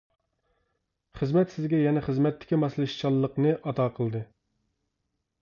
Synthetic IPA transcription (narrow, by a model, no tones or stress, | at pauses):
χəzmɛt̪sɪzɡʲɛjɛnɛχəzmɛt̪ʰːɪ̥kʲimɑslˠɨʃt͡ʃʰɑlˠːəqnɨʔɑt̪ʰɑːqʰəlˠd̪ɨ